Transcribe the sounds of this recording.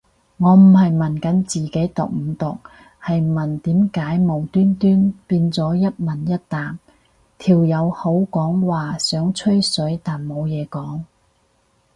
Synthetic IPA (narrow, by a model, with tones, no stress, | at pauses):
ŋɔː˨˧m̩˨˩hɐ˨jmɐ˨˩nkɐ˨˥nt͡siː˨ke˨˥jt̪ʊ̰˨k̚m̩ː˨˧t̪ʊ˨k̚ | hɐ˨jmɐ˨˩nt̪iː˨˥mkaː˨˥jmo˨˩wt̪yː˥nt̪yː˥npiː˧nt͡sɔː˨˥jɐ˥t̚mɐ˨˩njɐ˥t̚t̪aː˨m | t̪ʰiː˨˩wjɐ˨˧who˨˥wkɔː˨˥ŋwaː˨sœː˨˥ŋt͡ʃʰɵ˥ɥsɵ˨˥ɥt̪aː˨nmo˨˧wjɛː˨˧kɔː˨˥ŋ